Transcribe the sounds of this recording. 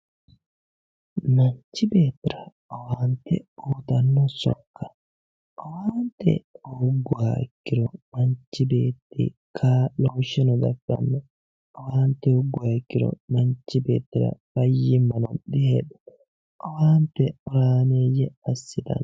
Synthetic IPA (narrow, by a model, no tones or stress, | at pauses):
mɐɲt͡ʃːɪbe̞ːt̪ːɪɾɐ | ɔwaːnt̪ːɛ̰uːt̪ɐnːɔsɔ̰kːɐ̥ | ʔɔwaːnt̪ːɛ̰ʊɡːʊaːɪkːɪɾɔmɐnt͡ʃːɪbe̞ːt̪ːɪ̰ | kʰaːloːʃɛnɔd̪ɐfɐ̰nːɛ | ʔɔwaːnt̪ːɛhʊɡːʊaːɪkːɪɾɔ̰mɐnt͡ʃːɪbe̞̰ːt̪ːɪɾɐ̰bɐjːɪmɐnɐnɗɪheːᶑɔ̥ | ʔɔwaːnt̪ːɛɔɾaːneːjɛɐsːɪd̪ɐ̰n